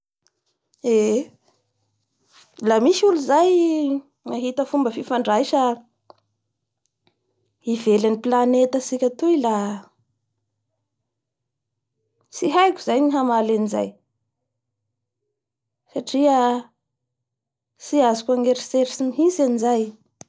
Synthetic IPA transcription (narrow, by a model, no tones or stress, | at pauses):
e | lamiʃuluzaj | ŋaɦit̪əfumbəfifaɳɖ͡ʐajʃa | ivelaniplanet̪əsikʲat̪uila | siɦajkʲu̥z̥ajniɦamalaniza̰j | saʈ͡ʂiə | siazikʲaŋeɾiseɾisiniɦisanizaj